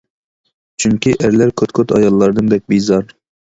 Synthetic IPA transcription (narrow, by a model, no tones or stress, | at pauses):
t͡ʃʰyŋkʲiʔæɾlæɾkʲʰøt̪kʲʰøt̪ʰɑ̰jɑlˠːɑɾd̪ɨnd̪ɛk̚ʲbijzɑɾ